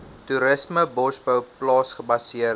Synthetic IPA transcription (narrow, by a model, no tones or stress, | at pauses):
tuɾəsməbɔsbəwplɑːsχəbɐsiər